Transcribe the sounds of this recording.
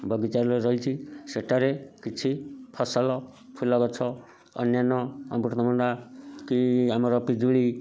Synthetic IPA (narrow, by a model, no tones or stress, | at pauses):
bʱʌɡit͡saɾleɾʌɦit͡sʰiseʈːaɾekit͡sʰipʰʌsalɔ | pʰulaɡɔt͡sʰʌ | ʌ̰njanɔʌ̰buɾt̪ɔmɔndakiɦamɾɔpid͡zuɭi